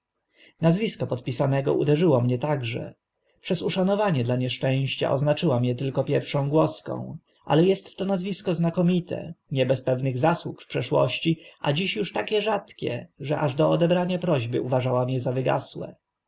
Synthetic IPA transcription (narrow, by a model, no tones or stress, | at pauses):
nazvʲiskɔpɔt̪̚pʲisanɛɡɔ̰ʔṵd̪ɛʐɘwɔmɲɛt̪aɡʐɛ̰ | pʂɛzuʂanɔvaɲɛd̪laɲɛʂt͡ʂɛ̃w̃ɕt͡ɕa̰ʔɔznat͡ʂɘwamjɛt̪ɘlkɔpʲjɛɾfʂɔ̃w̃ɡwɔskɔ̰̃w̃ | ʔa̰lɛjɛst̪ːɔnazvʲiskɔznakɔmʲit̪ʰɛ̰ɲɛbɛspɛvnɘɣzaswukfpʂɛʂwɔ̰ɕt͡ɕia̰d͡ʑiɕjuʂt̪akʲɛʐat̪kʲɛ̰ʐɛʔaʐd̪ɔɔd̪ɛbɾaɲapɾɔʑbɘ̰uvaʐawamɲɛzavɘɡa̰swɛ̰